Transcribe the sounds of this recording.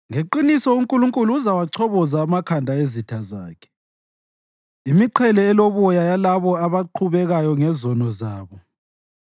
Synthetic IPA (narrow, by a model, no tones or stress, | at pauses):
ŋeǃinisɔuŋkʼuluŋkʼuluuzawaǀʰɔβɔzaːmakʰandʱaezitʰaza̰ːkʰɛ̥ | imiǃʰɛlɛːloβɔjajalaβɔaβaǃʰuβɛɣajɔŋɛzɔnɔzaːβɔ